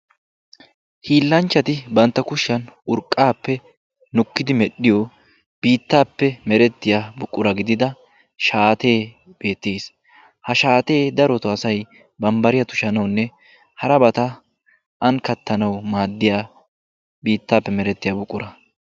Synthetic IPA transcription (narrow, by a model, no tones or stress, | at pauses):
hiːlːɐnt͡ʃːɐt̪ɪbɐnt̪ːɐkʊʃːɐnʊɾkʼːaːpːɛ | nʊkːɪd̪ɪmɛɗɪjɔ | b̥iːt̪ːaːpːɛmɛɾɛt̪ːɪjabʊkʼːʊɾɐɡɪd̪ɪd̪ɐ | ʃaːt̪e̞ː | b̥e̞ːt̪ːeːs | hɐʃaːt̪e̞ːd̪ɐɾɔt̪ɔɐsɐj | bɐmbɐɾɪjɐt̪ʊ̥ʃɐnɐwnːɛ | hɐɾɐbɐt̪ɐ | ʔɐnkɐt̪ːɐnɐwmaːd̪ːɪjaː | biːt̪ːaːpːɛmɛɾɛt̪ːɪjabʊkʼːʊɾɐ